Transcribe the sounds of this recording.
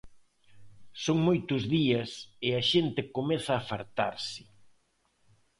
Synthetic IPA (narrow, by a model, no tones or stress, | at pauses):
soŋmojt̪ʊzðiɐsɪɐʃent̪ɪkomɛθɐːfaɾt̪aɾsɪ̥